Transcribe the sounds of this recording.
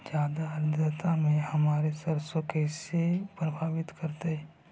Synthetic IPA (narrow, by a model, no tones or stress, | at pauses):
d͡ʒjaːd̪aɦɐd̪ɾət̪amẽhɐmaːɾesɐɾsõkesepɾəbʰʱaːbɪt̪kɐɾt̪eɦɛ̃ː